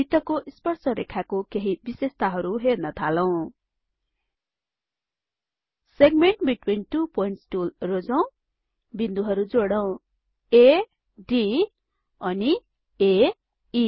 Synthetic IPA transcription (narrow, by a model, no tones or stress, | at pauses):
it̪ʌkoʔispʌrsʌɾekʰakokeɦibisest̪ʰaɦʌɾuɦernʌt̪ʰalʌw̃ | seɡmeɳʈbiʈwinʈupoinʈsʈulrod͡zʌw̃ | bind̪uɦʌɾud͡zoɽʌw̃ | e | ɖi | ʌni | e | i